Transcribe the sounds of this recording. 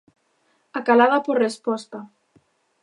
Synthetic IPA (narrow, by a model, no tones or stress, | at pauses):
akalaðapoɾrespɔst̪a